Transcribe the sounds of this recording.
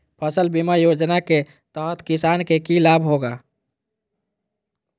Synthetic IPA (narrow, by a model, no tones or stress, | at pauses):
pʰəsəlbimajod͡ʒnake | t̪əɦət̪kisankekilabʱɦoɡa